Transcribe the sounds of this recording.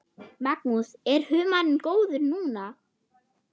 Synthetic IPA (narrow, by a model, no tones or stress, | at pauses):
maknusɛɾ̥hʏːmanʏmkoːwðʏɾnuːna